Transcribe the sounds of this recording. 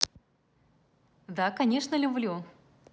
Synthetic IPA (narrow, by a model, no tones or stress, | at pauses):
d̪akɐnʲe̞ʂnəlʲʊblʲu